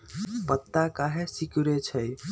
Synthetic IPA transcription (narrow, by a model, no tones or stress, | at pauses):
pət̪ːakaɦesikuɾet͡ʃʰəj